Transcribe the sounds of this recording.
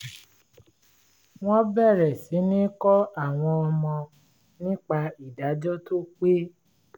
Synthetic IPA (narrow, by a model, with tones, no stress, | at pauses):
w̃ɔ̃˦bɛ˦˨ɾɛ˨si˨˦nĩ˦kɔ˦a˦˨w̃ɔ̃˧ɔ˧mɔ̃˧ | nĩ˦k͡pa˧i˨da˨˦d͡ʒɔ˦to˦k͡pe˦